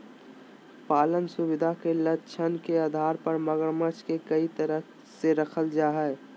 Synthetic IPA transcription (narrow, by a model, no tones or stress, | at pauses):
paːlənsʊbɪd̪ʱakelətːʃʰənkeaːd̪ʱaːɾpəɾməɡəɾmət͡ʃʰkekəit̪əɾəɦ | seɾəkʰəld͡ʒaːɦɛɛ